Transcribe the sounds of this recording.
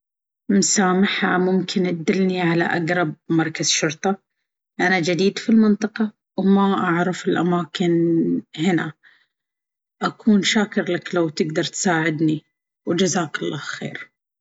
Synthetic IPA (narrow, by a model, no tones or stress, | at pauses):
msaːmɪħamʊmkʰɪnʔad̪ːɪlniʕalaʔaɡɾˤɑb̚mɑɾˤkazʃʊɾt̪ˤɑ | ʔanad͡ʒad̪iːd̪filmɪnt̪ˤɑqɑ | wmaʔaʕɾˤɪfɪlʔamaːkɪnhɪna | ʔakʰuːnʃaːkɪɾlaklawt̪ɪɡd̪ɑɾˤt̪saːʕɪd̪ni | wd͡ʒazaːkʊlˤːɑ̰ːhxḛːɾ